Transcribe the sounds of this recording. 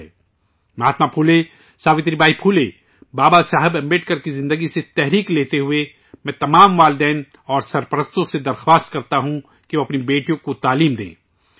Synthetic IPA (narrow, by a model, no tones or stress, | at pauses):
mɐɦaːt̪mapʰuːle | saːʋɪ̃t̪ɾibaːipʰuːle | baːbasaːɦɪbɐ̃mbeːʈkɐɾkizɪ̃nd̪əɡiset̪ɛɦɾiːkleːt̪eɦʊe | mɛ̃ːt̪ɐmaːmʋaːld̪ɛːn | ɔːɾsɐɾpəɾəst̪õsed̪ɐɾxwaːst̪kɐɾt̪aɦũ | keʋoɐpnibeːʈijõkot̪aːliːmd̪ḛ̃ː